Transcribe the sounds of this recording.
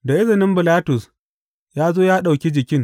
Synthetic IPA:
da˨ʔɪ˦zɪ˨nɪ˦mbɪ˨laː˦tʊ˨s | jaː˦zoː˦jaː˦ɗa˨wkʲi˦d͡ʒɪ˨kʲɪ˦ŋ

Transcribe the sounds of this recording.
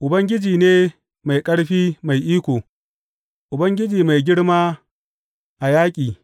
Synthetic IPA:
ʔʊ˨bɐ˦ŋɡʲɪ˦d͡ʒiː˨neː˦ | ma˨jkʼɐ˦ɽɸiː˦ma˨jʔiː˦kʷoː˨ | ʔʊ˨bɐ˦ŋɡʲɪ˦d͡ʒiː˨ma˨jɡʲɪ˦ɽmaː˦ | ʔa˨jaː˦kʲʼiː˨

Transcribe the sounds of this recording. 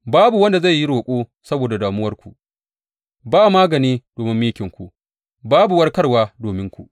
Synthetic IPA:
baː˦bu˨wɐ˦nda˨za˦˨jːi˦ɽoː˨kʷʼoː˦sɐ˦boː˨da˨daː˨mʊ˦wɐ˦rkʷu˨ʔ | baː˦˨maː˦ɡɐ˨niː˦d̥oː˨mɪ˦mːmiː˦kʲɪ˨ŋkʷu˨ | baː˦bu˨wɐ˦rkɐ˦rwaː˦doː˨mɪ˦ŋkʷṵ˨ʔ

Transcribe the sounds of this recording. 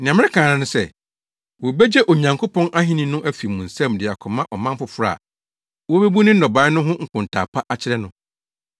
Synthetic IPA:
nɪ̃˨ã˨m˦ɪ̃˦kʰãː˨nã˨nʊ̃˦sɛ˦˨ | wɔ˨be˦d͡ʑɛ˦ʔo˨ɲã˨ŋkʰo˦pʰɔ̃˦nʔa˦ɦĩ˦nĩ˦nʊ̃˦ʔæ˦fi˨mũ˨n̩˨sã˦˨mdɪ˨a˨kʰɔ˨mã˦ʔɔ˨mã˦m˦fʊ˨fɾa̰˨ | wɔ˦be˦bu˦nɪ̃˦n̩˦nɔ˨bãː˦nʊ̃˦ɦʊ̃˦ŋ̩˨kʰʊ̃˨n˨tʰa̰ː˨pʰa˦ʔa˦t͡ɕʰɪ˦ɾɛ˦nʊ̃˦

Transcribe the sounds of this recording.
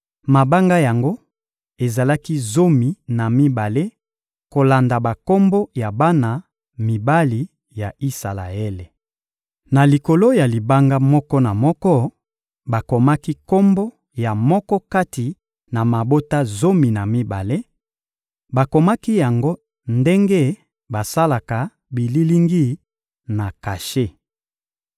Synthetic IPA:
ma˨ba˦ŋɡa˦ja˨ŋɡo˦ | e˨za˨la˦ki˦zo˦mi˨na˨mi˦ba˨le˦ | ko˨la˨nda˨ba˨ko˦mbo˦ja˨ba˦na˨ | mi˨ba˦li˨ | ja˨i˦sa˨la̰˨e˦le˨ | na˨li˨ko˨lo˦ja˨li˨ba˦ŋɡa˦mɔ˦kɔ˦na˨mɔ˦kɔ˦ | ba˨ko˨ma˦ki˦ko˦mbo˦ | ja˨mɔ˦kɔ˦ka˦ti˨ | na˨ma˨bo˦ta˦zo˦mi˨na˨mi˦ba˨le˦ | ba˨ko˨ma˦ki˦ja˨ŋɡo˦ | nde˦ŋɡe˦ | ba˨sa˦la˨ka˨ | bi˨li˦li˦ŋɡi˦˨ | na˨ka˨ʃe˦

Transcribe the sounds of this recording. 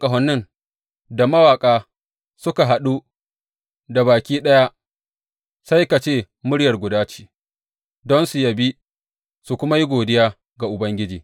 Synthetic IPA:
kʼɐ˨ɦɔ˨nːɪ˦n | da˨mɐ˦waː˨kʼaː˦ | sʊ˦ka˨ɦa˨ɗu˦ | da˨baː˨kʲiː˦ɗɐ˦ja˦ | sa˦jka˨t͡ʃeː˦˨ | mʊ˦ɽjɐ˨rɡʷʊ˨daː˦t͡ʃi̥ː˨ | dɔ˦nsu˨jɐ˨bi˦ | su˨kʷʊ˦ma˦ji˦ɡʷoː˨dɪ˦jaː˦ | ɡa˨ʔʊ˨bɐ˦ŋɡʲɪ˦d͡ʒiː˨

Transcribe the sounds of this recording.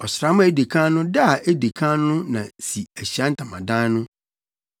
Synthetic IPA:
ɔ˨sɾa˦mʊ̃˦e˦de˨kʰã˦nʊ̃˦da˦˨e˦de˨kʰã˦nʊ̃˦nã˨si˨æ˨ɕi˨a˦n̩˦tʰã˨mã˨dã˦nʊ̃˦

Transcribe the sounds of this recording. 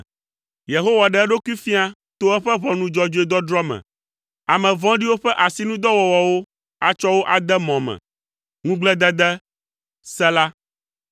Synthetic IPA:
je˨ɦo˦wa˨ɖɛ˨ɛ˦ɖo˦ku˦i˦fi˦a˦ | t̪o˦ɛ˦ɸɛ˦βɔ̃˨nũ˦d͡ʒɔ˦d͡ʒo˦e˦d̪ɔ˦dɾɔ˦mɛ̰̃˨ | a˨mɛ̃˨vɔ̃˦ɖi˦wo˦ɸɛ˦ʔa˨si˦nũ˦d̪ɔ˦wɔ˨wɔ˨wo˦ | a˨t͡ʃɔ˦wo˦ʔa˨d̪ɛ˦mɔ̃˨mɛ̰̃˨ | ŋũ˦ɡ͡blɛ˦d̪ɛ˦d̪ɛ˦ | sɛ˦la˦

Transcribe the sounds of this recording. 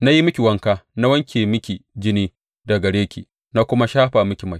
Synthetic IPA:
na˦ji˦mʊ˦kʲi˨wɐ˦ŋkaː˦na˦wɐ˦ŋkʲeː˨mɪ˦kʲi˨d͡ʒɪ˦niː˦ | da˨ɡɐ˨ɽeː˦kʲḭː˨ | na˦kʷʊ˦ma˦ʃaː˦ɸa˨mʊ˦kʲi˨mɐ˨

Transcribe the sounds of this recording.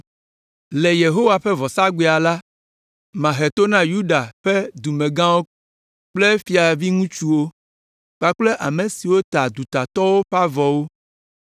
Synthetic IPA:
le˨je˨ɦo˦wa˨ɸe˦vɔ˨sa˦ɡ͡be˦˨a˨la˦ | mã˨ɦe˨t̪o˦nã˦ju˦ɖa˨ɸe˦d̪u˨mẽ˨ɡã˦wo˦ | k͡ple˦fi˨a˨vi˦ŋũ˦t͡ʃu˦wo˦ | k͡pa˨k͡ple˦ʔa˨mẽ˨si˨wo˦t̪a˨d̪u˨t̪a˨t̪ɔ˦wo˦ɸa˦vɔ˨wo˦

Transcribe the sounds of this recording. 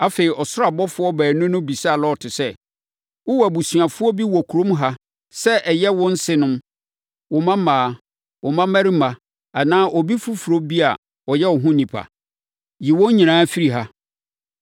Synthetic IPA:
a˦feː˨ɾi˨ʔɔ˨sʊ˦ɾa˨bɔ˦fʊ˦ɔ˦bæː˨nʊ̃˦nʊ̃˦bi˨sa˨lɔ˦˨tʰɪ˨sɛ˦ | ʊ˦wa˨bu˨sɥã˨fʊ˦ɔ˦bi˦wɔ˨kʰu˨ɾõ˦mɦa˦ | sɛ˦ʔɛ˨jɛ˦wɔ̃˦n̩˦sɪ˦nʊ̃˦m | wɔ˨mã˦mãː˨˦ | wɔ˨mã˦mæ˦ɾi˦mã˨ | a˨nãː˦ʔɔ˨bi˦fu˦fu˨ɾo˦bi˦a˨ | ɔ˨jɛ˦wɔ˨ɦʊ̃˦nĩ˨pʰa̰˨ | ji˨wɔ̃˦ɲĩ˨nãː˨˦fi˦ɾi˨ɦa˦

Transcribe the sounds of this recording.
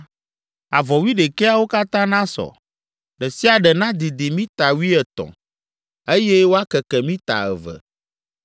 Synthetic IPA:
a˨vɔ˨wi˦ɖe˨kɛ˦a˦wo˦ka˦t̪ã˦nã˦sɔ̰˨ | ɖɛ˨si˦a˨ɖɛ˨nã˦d̪i˨d̪i˨mĩ˦t̪a˨wi˦ɛ˨t̪ɔ̰̃˨ | e˦jɛ˦wo˦a˦kɛ˨kɛ˨mĩ˦t̪a̰˨ɛ̰˨vɛ̰˨

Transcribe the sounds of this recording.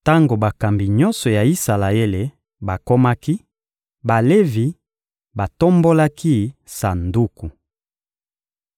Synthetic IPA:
ta˦ŋɡo˨ba˨ka˨mbi˨ɲɔ˦nsɔ˨ja˨i˦sa˨la˨e˦le˨ | ba˨ko˦ma˦ki˦ | ba˨le˦vi˨ | ba˨to˦mbo˦la˦ki˦sa˨ndu˦ku˨

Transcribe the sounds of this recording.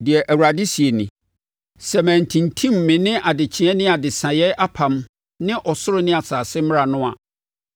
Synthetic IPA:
dɪ˨ɛ˨ʔæ˨wu˨ɾa˨dɪ˦si˨e˨nĩ˨ | sɛ˨mæ̃˨n˨tʰĩ˨ntʰĩ˦mː˨ɪ̃˨nɪ̃˦ʔa˨dɪ˨t͡ɕʰĩ˨˦ɛ˦nɪ̃˦a˨dɪ˨sã˨jɛ˦ʔa˦pʰã˨m | nɪ̃˦ʔɔ˨sʊ˦ɾʊ˦nɪ̃˦a˨saː˨sɪ˦mɪ̃˦a˨nʊ̃˦a̰˨

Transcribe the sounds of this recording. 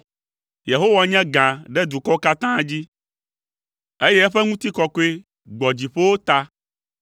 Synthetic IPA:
je˨ɦo˦wa˦ɲɛ̃˦ɡã˨ɖɛ˦d̪u˨kɔ˦ka˦t̪ã˦d͡ʑi˦ | e˦jɛ˦ɛ˦ɸɛ˦ŋũ˦t̪i˦kɔ˨ko˦e˦ | ɡ͡bɔ˨d͡ʑi˨ɸe˦wo˦t̪a˦

